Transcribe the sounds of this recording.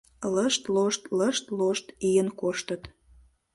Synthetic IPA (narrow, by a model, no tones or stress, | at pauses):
ləʃt̪loʃt̪ləʃt̪loʃt̪ijənkoʃt̪ət̪